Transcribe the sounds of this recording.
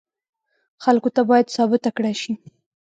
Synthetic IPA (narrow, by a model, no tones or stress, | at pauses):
xalkot̪abɑjad̪sɑbɪt̪akɽaʃi